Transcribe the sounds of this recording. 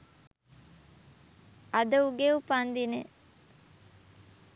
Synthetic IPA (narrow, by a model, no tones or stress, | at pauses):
ɐd̪ɐuɡeupand̪ine